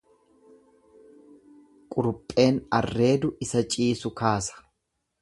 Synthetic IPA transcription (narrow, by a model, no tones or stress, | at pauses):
kʼʊɾʊpʼːe̞ːnɐrːe̞ːd̪ʊɪsɐt͡ʃʼiːsʊkaːsɐ̥